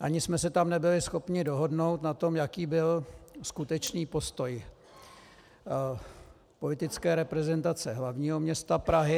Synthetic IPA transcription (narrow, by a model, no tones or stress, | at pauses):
ʔaɲɪsmɛsɛt̪amnɛbɪlɪsxo̞pɲɪdo̞ɦo̞dno̞wt̪nat̪omjakiːbɪlskut̪ɛt͡ʃniːpo̞st̪o̞j | po̞lɪt̪ɪt͡skɛːɾɛpɾɛzɛnt̪at͡sɛɦlavɲiːɦo̞mɲɛst̪apɾaɦɪ